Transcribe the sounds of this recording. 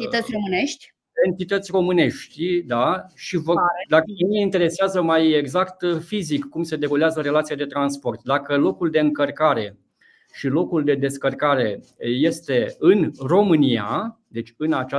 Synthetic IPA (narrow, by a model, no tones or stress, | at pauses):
it̪ət̪sʲromɨneʃt̪ʲ | e̞nt̪it̪ət̪sʲro̞mɨne̞ʃt̪ʲd̪aʃivəd̪aəemeint̪e̞ɾe̞seazəmajeɡzakt̪fizikːumse̞d̪e̞ɡoleazəɾe̞lat̪siad̪e̞t̪ɾanspo̞rt̪d̪akəlo̞kuld̪e̞ɨŋkərkaɾe̞ | ʃilo̞kuld̪e̞d̪e̞skərkaɾe̞je̞st̪e̞ɨnro̞mɨnia̰d̪e̞t͡ʃʲɨnat͡ʃa